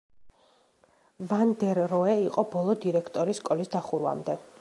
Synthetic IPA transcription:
vand̪ɛɾːɔɛiqʼɔbɔlˠɔd̪iɾɛkʰt̪ʼɔɾisːkʼɔlisd̪aχuɾwa̰md̪ɛ

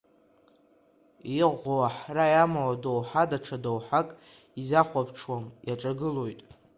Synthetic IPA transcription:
iʁoaħrajamawadowħadaʈ͡ʂʰadowħakʼ | izaχʷapʰʈ͡ʂʰwanjaʈ͡ʂʼaɡɨlo̞jtʼ

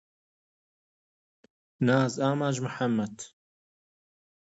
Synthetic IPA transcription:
naːzaːmaːd͡ʒmʊħamːɐd̪

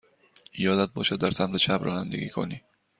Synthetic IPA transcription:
ijɒd̪at̪̚bɒːʃad̪ːæɾsamt̪et͡ʃʰabɾɒ̰ːnand̪ḛɡʲḭkʰo̰ni

